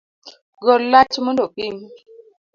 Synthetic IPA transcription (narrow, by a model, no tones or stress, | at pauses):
ɡɔlːat͡ʃmondopiŋ